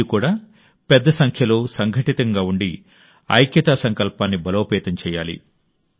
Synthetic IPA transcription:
ikuːɽaː | pɛd̪ːɐsɐŋkʰjɐlo̞ːsɐŋɡʱɐʈit̪ɐŋɡaːuɳɖi | ɐ̰jkjɐt̪aːsɐŋkɐlpaːnːibɐloːpɛːt̪ɐɲt͡ʃɛːjaːlḭ

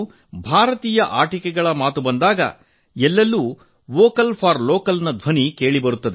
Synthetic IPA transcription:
bʱaːɾɐt̪iːjɐʔaːʈikɛɡɐɭɐmaːt̪ubɐnd̪aːɡɐ̰ | ɛlːɐlːuː | ʋoːkɐlpʰaːɾloːkɐlnɐd̪ʱʋɐnike̞ːɭibɐɾut̪ːɐd̪e

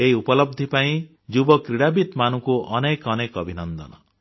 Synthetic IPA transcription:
ejupɔlʌb̚d̪ʱipaĩ | d͡ʒubɔkɾiɽabit̪manũkuʔʌnekʌnekʌbʱinʌnd̪ʌ̰nʌ

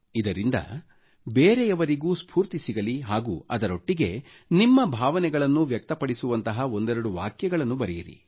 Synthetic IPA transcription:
id̪ɐɾind̪ɐ̰ | beːɾejɐʋɐɾiɡuːspʰuːɾt̪isiɡɐliɦaːɡuːɐd̪ɐɾo̞ʈːiɡe̞ | nimːɐbʱaːʋɐnɛɡɐɭɐnːuʋjɐk̚t̪ɐpɐɽisuʋɐnt̪ɐɦɐo̞nd̪ɛɾɐɽuʋa̰ːkjɛɡɐɭɐnːubɐɾɛjiɾḭ

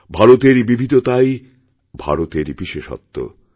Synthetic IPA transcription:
bʱaɾot̪eɾbibʱid̪ot̪aj | bʱa̰ɾot̪eɾbiʃeʃɔ̰t̪ːo̰

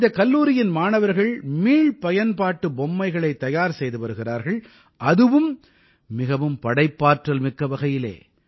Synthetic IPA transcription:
nd̪ɐkɐlːuːɾɪjɪnmaːnɐʋɐɾɣɐɭmiːɭpɐjɐnpaːʈːɯbɔmːɐɪɣɐɭɐɪt̪ːɐjaːɾsɛjðɯpɐɾɯɣɪraːɾɣɐɭ | ʔɐðɯʋɯmː | ɪɣɐʋɯmpɐɽɐɪpːaːʈrɐlmɪkːɐʋɐɣɐjɪlḛː

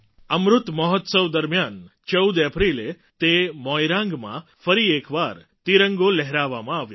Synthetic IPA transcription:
əmɾʊt̪məɦɔt̪səʋd̪əɾmjant͡ʃəwd̪əpɾile | t̪emɔjɾãŋɡmã̰fəɾiekʋaɾ | t̪iɾəŋɡolɛɦɾaʋːamãaʋjo

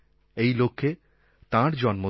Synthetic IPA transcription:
ejlokʰːe | t̪ãɾd͡ʑɔnmo

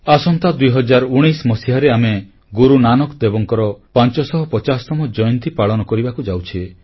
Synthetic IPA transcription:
asɔnt̪ad̪ujɦɔd͡ʒaɾɔuɽ̃ijsmɔsiɦaɾeame | ɡuɾunanɔkd̪ebɔŋkɔɾɔpant͡ʃɔsɔɦɔpɔt͡ʃasɔt̪ɔmɔd͡ʒɔjɔnt̪ipaɭɔnɔkɔɾibakud͡ʒawt͡ʃʰie

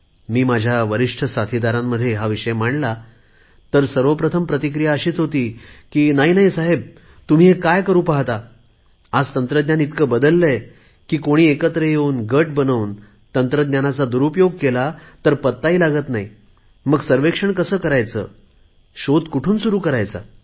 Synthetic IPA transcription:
miːmad͡ʑʱjaʋəɾiʂʈʰəsat̪ʰid̪aɾamːəd̪ʱːjeɦaʋiʂəjm̤aɳla | t̪əɾsəɾʋəpɾət̪ʰəmpɾət̪ikɾijaəɕiːt͡sɦot̪iːkiːnaɦiːnaɦisaɦeb̚ | t̪um̤iːɦekajkəɾuːpaɦt̪a | ad͡zt̪ənt̪ɾəd̪njanit̪kəːbəd̪əlːe | kiːkoɽ̃iːekət̪ɾəjeuːnɡəʈ̚bənəʋwn | t̪ənt̪ɾəd̪njanat͡sad̪uɾupjoɡ̚kelat̪əɾpət̪ːaiːlaɡət̪naɦi | məɡsəɾʋekʂəɳkəsəːkəɾajt͡sə̰ː | ɕod̪kuʈʰuːnsuɾuːkəɾajt͡sa̰

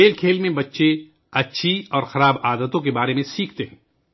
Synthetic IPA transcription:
eːlkʰeːlmẽbɐtːʃe | ɐtːʃʰiɔːɾxɐɾaːbaːd̪ət̪õk̬ebaːɾemẽsiːk̚ʰt̪eɦɛ̃ː

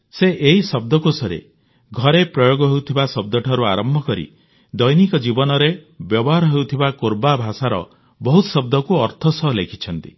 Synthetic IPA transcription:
seʔeɦisɔb̚d̪ɔkosɔɾḛ | ɡʱɔɾepɾɔjoɡɔɦewt̪ʰibasɔb̚d̪ɔʈʰaɾuaɾɔmbʱɔkɔɾḭ | d̪ɔjnikɔd͡ʒibɔnɔɾe | bjɔbɔɦaɾɔɦewt̪ʰibakoɾbabʱasaɾɔ̰ | bɔɦut̪sɔb̚d̪ɔkuɔɾt̪ʰɔsɔɦlekʰi̥t͡ʃʰɔnt̪i

